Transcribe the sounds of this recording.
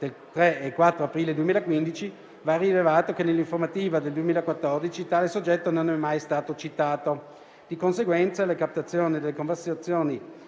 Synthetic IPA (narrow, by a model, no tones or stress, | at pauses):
d̪̥elt̪ɾeekwat̪ːɾoapɾiːled̪uemiːlakwind̪it͡ʃi | varilevaːt̪okenelːiɱformat̪iːvad̪eld̪uemilakwat̪ːɔrd̪it͡ʃit̪aːlesod͡ʒːɛt̪ːononɛmːajst̪aːt̪ot͡ʃit̪aːt̪o | d̪̥ikonseɡwɛnt̪salekap̚t̪at̪sːjoːnid̪elːekoɱversat̪sːjoːni